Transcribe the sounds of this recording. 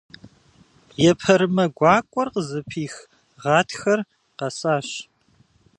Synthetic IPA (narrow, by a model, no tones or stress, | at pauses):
jɛpʰɐɾɨmɐɡʷɑːkʷʼɔrqəzɨpʰiːx | ʁɑːtʰxɐr | qɐsaːɕ